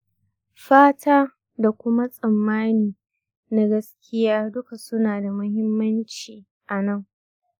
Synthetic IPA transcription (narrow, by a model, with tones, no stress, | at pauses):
ɸaː˦tʰaː˦ | da˨kʷʊ˦ma˦sʼɐ˨mːaː˦niː˨ | na˦ɡɐ˦skʲʰɪ˦jaː˦dʊ˦ka˨sʊ˦naː˨da˨mʊ˦hɪ˦mːɐ˦nt͡ʃiː˨ | ʔa˨nɐ˦˨ŋ